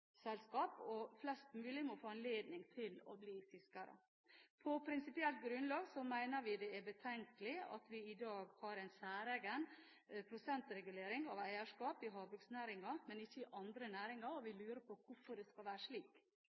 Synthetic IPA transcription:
sɛlskɑːpɔflɛst̪mʉːlɪmɔfoːɛnleːd̪nɪŋt̪ʰɪlɔ̰bliːfɪskɑɾə̰ | pʰɔpʰɾɪnsɪpɪɛlt̪̚ɡɾʉnlɑːɡsɔmæɪnəɾʋɪd̪ɛæbət̪ʰɛŋkəlɪɑ̰t̪ʰʋɪɪd̪ɑːɡhɑːɾæɪnsæːɾɛɡən | pʰɾʊsɛnt̪ɾɛɡʉleːɾɪŋɑʋæɪəʂkɑːpɪɦɑːbʉksnæːɾɪŋɑɾmɛnɪçːəɪʔɑnd̪ɾənæːɾɪŋɑɾɔʋɪlʉːɾəpʰɔkʰʊfɔɖɛskɑlʋæːɾəʂɭiːk

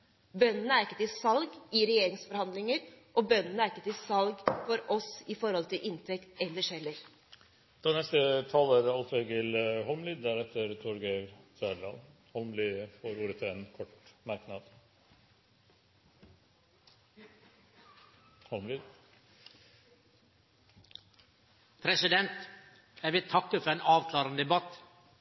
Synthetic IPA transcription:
bœnːənəæɾɪkːət̪ɪsɑlɡɪɾɛjeːɾɪŋsfɔɾhɑnd̪lɪŋəɾʔɔbœnːənəæɾɪkːət̪ɪsɑlɡfɔɾɔsɪfɔɾhɔlt̪ʰɪlʔɪnt̪ʰɛkt̪ɛlːəʂɛlːəɾ | d̪̥ɑːnɛst̪ət̪ʰɑlːəɾɑlfeɡɪlɦɔlmlyːd̪d̪æɾɛt̪ʰːəɾt̪ʰuɾɡeɾsœːɖɑ̰nhɔlmlyːəfoːɾuːɾət̪ʰɑeːnkʰɔʈmɑɾknɑd̪ | hɔlmlyːd̪ | pʰɾɛsɪd̪ɛnt̪ | jæʋɪlt̪ʰɑkːəfɔɾeːnʔɑːʋkʰlɑːɾənəd̪ɛbɑt̪

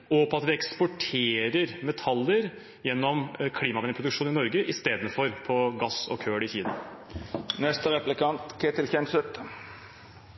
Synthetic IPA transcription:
ɔpɔɑt̪ʋɪɛkspɔʈʰeːɾəɾmɛt̪ʰɑlːəɾ | jɛnːɔmkʰliːmɑʋɛnɪŋpʰɾʊd̪ʉkʂuːnɪnɔɾɡəʔɪst̪eːd̪n̩fɔɾpʰɔɡɑsɔ̰kʰøːɽɪçiːd̪n | nɛst̪əɾɛplɪkɑnt̪kʰɛt̪ɪlçɛnsət̪

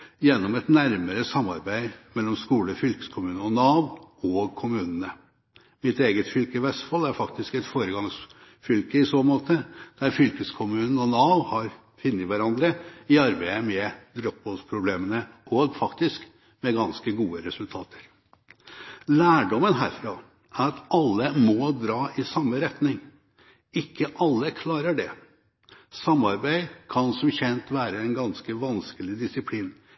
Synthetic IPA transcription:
jɛnːɔmɛt̪næɾməɾəsɑmːɑɾbæɪmɛlːɔmskuːləfʏlkə̥skʰʊmʉːnəɔnɑʊɔːɡkʰʊmʉːnənə | mɪt̪eːɡət̪fʏlkəʋæsfɔlːæɾfɑkt̪ɪskɛt̪foːɾəɡɑŋs | fʏlkəɪsoːmoːt̪ʰəd̪̥æɾfʏlkəskʰʊmʉːnn̩ɔnɑʊhɑɾ | fʏnːəʋæɾɑnd̪ɾəɪɑɾbæɪəmɛd̪ɾɔp̚bɔlspʰɾʊbleːmənəʔɔɡfɑkt̪ɪsk | mɛɡɑnskəɡuːəɾɛsʉlt̪ʰɑːt̪ʰə̥ɾ | læːɖɔmənɦæːɾfɾɑ | ʔæɾɑt̪ɑlːəmɔd̪ɾɑːʔɪsɑmːəɾɛt̪nɪŋ | ɪkːəʔɑlːəkʰlɑːɾəɖɛ | sɑmːɑɾbæɪkʰɑnsɔmçɛnt̪ʋæːɾəɛnɡɑnskəʋɑnskəlɪd̪ɪsɪpʰliːn

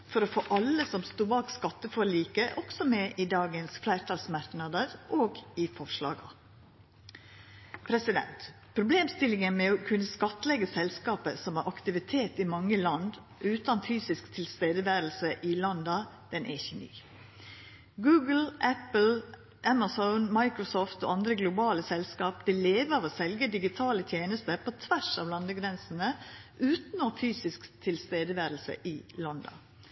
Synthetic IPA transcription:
fɔɾofoːʔɑləsɔmst̪uːbɑːkskɑt̪ːəfɔɾɭiːkəʔɔksɔmɛʔɪd̪ɑːɡənsflæɪɾt̪ʰɑːlsmɑɾknɑd̪əɾʔoːɡɪfɔʂɭɑ̰ːɡɑ | pʰɾɛsɪd̪ɛ̰nt̪ | pʰɾʊbleːmst̪ɪlɪŋənmɛɔkʰʉnːəskɑt̪ːəlɛɡəsɛlskɑːpəsɔmhɑɾʔɑkt̪ɪʋɪt̪ʰeːt̪ɪmɑŋːəlɑnd̪ | ʔʉːt̪ɑnfyːsɪskt̪ʰɪlst̪eːd̪əʋæːɾl̩səʔɪlɑnd̪ɑ | d̪̥ɛnʔɛ̰ɪçːəny̰ː | ɡʉːɡəl̩ʔæpl̩ | ʔæmɑsɔʊnmɑɪkɾʊsɔːft̪ɔ̰ːɑnd̪ɾəɡlʊbɑːləsɛlskɑːp̚d̪ɛleːʋəʋɔsɛlɡəd̪ɪɡɪt̪ʰɑːlət̪ʰjeːnəst̪əpʰɔt̪ʰʋæʂɑːʋlɑnd̪əɡɾɛnsn̩əʔʉːt̪nɔfyːsɪskt̪ʰɪlst̪eːd̪əʋæːɾlsə̰ʔɪlɑnd̪ɑ̰

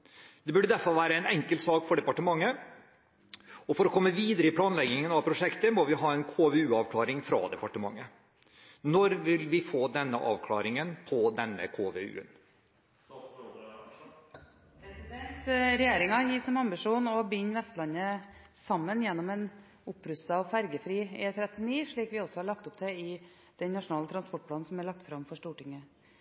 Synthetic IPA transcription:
dd̪̥ɛbʉɖːəd̪æɾfɔɾʋæːɾəɛɪnɛŋkəlt̪sɑːkfɔɖɛpɑʈəmɑŋːə | ɔfɔɾɔkʰɔmːəʋiːd̪əɾəɪpʰlɑːnlɛɡɪŋənɑʋpʰɾʊʂɛkt̪əmɔʋɪɦɑːɛnkʰoːʋeʉːɑʋkʰlɑːɾɪŋfɾɑ̰ːd̪ɛpɑʈəmɑ̰ŋːə | nɔɾʋɪlʋɪfoːd̪ɛnːə̰ʔɑ̰ːʋkʰlɑ̰ːɾɪŋənpʰɔd̪ɛnːə̰kʰoːʋeʉ̰ːə̰n | pʰɾɛsɪd̪ɛnt̪ɾɛjeːɾɪŋɑjiːsɔmɑmbɪʂuːnɔbɪɲːʋɛst̪lɑnːəsɑmːənjɛnːɔmɛn | ʊpːɾʉst̪ɑɑʋfæɾɡəfɾiːeːt̪ʰɾɛt̪ːɪniːʂɭiːkʋɪɔsɔhɑɭɑk̚t̪ʊpd̪ɛɪ | d̪̥ɛnnɑʂʊnɑːlət̪ʰɾɑnspɔʈ̚pʰlɑːnn̩sɔmæɭɑk̚t̪fɾɑmfɔʂʈuːʈɪŋːə

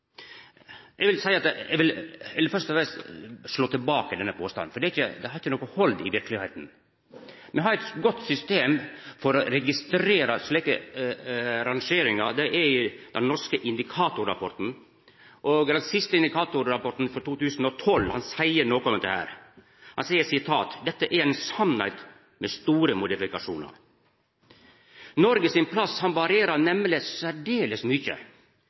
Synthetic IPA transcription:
ʔɛɡʋɪlsæɪəɑt̪ɛ̰ʋɪlɛlːəɾfœʂt̪ɔfɾɛst̪ʂɭoːt̪ʰəlbɑːkəd̪ɛnːəpʰoːst̪ɑ̰n̩fɔɖ̪ɛɾɪçə̰d̪ɛhɑɾɪçːənɔːkːʊhɔld̪ɪ̰ʋɪɾklɪheːt̪n̩ | mɛɦɑɾɛt̪ɡɔt̪sʏst̪eːmfɔɾɔɾɛɡɪst̪ɾeːɾɑsɭɛːkə | ɾɑŋʂeːɾɪŋɑ̰d̪ɛʔɛɾd̪̥ɛnnːɔʂkəʔɪnd̪ɪkʰɑːt̪ʊɾɑ̰pʰɔʈ̪n̩ | ʔoːɡd̪ɛnsɪst̪əɪnd̪ɪkʰɑːt̪ʊɾːɑpɔɾʈ̪n̩fɔɾt̪uːt̪ʉːsn̩ɔt̪ʰɔlːhɑnsæɪəɾnoːkɔmd̪ɛhæ̰ːɾ | hɑnsæɪːəsɪt̪ʰɑ̰ːt̪d̪ɛt̪ːəʔɛɾɛnsɑnæ̰ɪt̪ | mɛst̪uːɾəmʊd̪ɪfɪkɑʂṵːnɑ̰ɾ | nɔɾɡəsɪnpʰlɑshɑnʋɑɾɪeːɾɑɾnɛmlɪsæɖeːləsmʏçə̰

